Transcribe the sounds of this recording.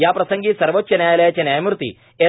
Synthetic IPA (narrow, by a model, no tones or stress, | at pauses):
jaːpɾɐsɐŋɡisɐɾʋot̚t͡ʃːɐnaːjɐlɐjɐt͡ʃɐnaːjmuɾt̪ḭ | e